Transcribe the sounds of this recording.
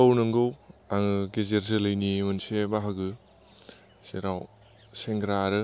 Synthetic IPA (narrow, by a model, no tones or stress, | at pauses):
awnɯŋɡɯwaŋɯɡezeɾzɯlɐjnimunsebaɦaɡɯ | seɾaw | seŋɡɾaɾɯ